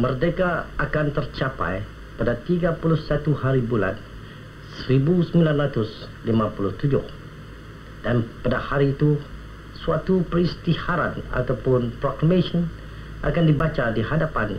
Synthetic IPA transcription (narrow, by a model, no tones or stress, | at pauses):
mərdekaakant̪ərt͡ʃapa̰j | padat̪iɡapulʊhsat̪uhaɾibula̰n | səɾibusəmbilanɾat̪ʊs | limãpulʊht̪ud͡ʒʊ̰h | d̥anpadahaɾiːt̪u | suat̪upəɾist̪ihaɾana̰t̪awpʊnpɾɔklamẽsɔn | ʔa̰kandibat͡ʃadihadapan